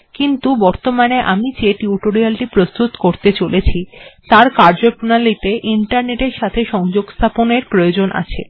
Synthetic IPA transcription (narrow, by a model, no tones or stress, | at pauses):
kint̪ubɔɾt̪omaneʔamid͡ʑeʈiuʈoɾialʈipɾost̪ut̪koɾt̪et͡ɕolet͡ɕʰit̪aɾkaɾd͡ʑopɾunalit̪eʔiɳʈaɾneʈeɾʃat̪ʰeʃɔŋd͡ʑoɡst̪ʰaponeɾpɾojod͡ʑonʔa̰t͡ɕʰḛ